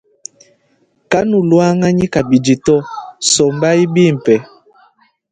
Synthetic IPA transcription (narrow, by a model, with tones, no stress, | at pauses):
ka˦nu˨lwa˦ŋa˦ɲi˦ka˨bi˨d͡ʒi˨tɔ˦sɔ˨mba˦i˦bi˦˨m̩˨pɛ˨